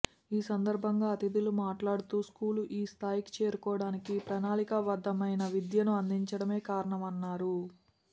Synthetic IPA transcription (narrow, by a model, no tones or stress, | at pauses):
iːsɐnd̪ɐɾbʱɐŋɡaːɐt̪id̪ilumaːʈlaːɽut̪uːskuːluʔiːst̪ʰaːjiki̥t͡ʃe̞ːɾukɔːɽaːnikipɾɐnaːlikɐʋɐd̪ːɐmɐjnɐʋid̪jɐnuɐnd̪iɲt͡ʃɐɽɐme̞ːkaːɾɐɳɐmɐnːaːɾu